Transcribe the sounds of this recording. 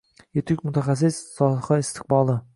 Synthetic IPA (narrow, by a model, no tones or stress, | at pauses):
et̪ʰɪkʲmʊt̪ʰaχas̬ːɪsːɒχɑɪst̪ʰɪ̥q̚bɑlˠɨ